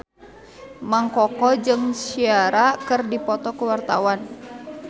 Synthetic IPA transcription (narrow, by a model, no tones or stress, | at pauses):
maŋkɔkɔd͡ʒɨŋsiaɾakɨrdipɔt̪ɔkuwart̪awan